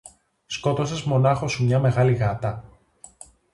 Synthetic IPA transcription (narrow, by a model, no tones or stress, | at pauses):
sko̞t̪o̞sezmo̞nɐxo̞sumɲɐme̞ɣɐliɣɐt̪ɐ